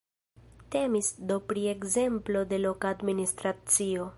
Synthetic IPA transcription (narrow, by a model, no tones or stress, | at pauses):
te̞misdopɾie̞kze̞mplo̞de̞lo̞kaːdministɾat͡sio̞